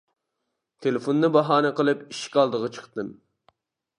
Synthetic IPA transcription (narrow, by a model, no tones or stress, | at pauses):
t̪ʰelɪfond̪ɨbɑɦɑːnɨqəlˠɨpiʃkʲɑlˠd̪əʁɑt͡ʃʰə̥χt̪ɨm